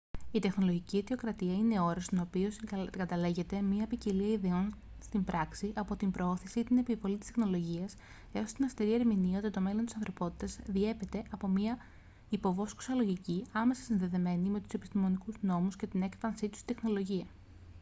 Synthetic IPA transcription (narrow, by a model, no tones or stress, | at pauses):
it̪e̞xno̞loʝiciet̪io̞kɾɐt̪iɐine̞o̞ɾɐst̪ono̞pio̞sɡɐt̪ɐle̞ʝe̞t̪e̞mɲiɐepiciliɐiðeo̞n | st̪imbɾɐksiʔɐpo̞t̪imbɾo̞o̞θisiit̪ine̞pivo̞lit̪ist̪exno̞lo̞ʝiɐs | e̞o̞st̪inɐst̪iɾieɾminiot̪et̪o̞me̞lo̞nt̪isɐnθɾo̞po̞t̪i̥t̪ɐzðie̞pe̞t̪e̞ʔɐpo̞miɐ | ipo̞vo̞sku̥sɐlo̞ʝiciɐme̞sɐ̥sinðe̞ðe̞me̞nime̞t̪u̥se̞pi̥st̪imo̞nikuzno̞musce̞t̪ine̞kfɐnsit̪u̥st̪i̥t̪e̞xno̞lo̞ʝiɐ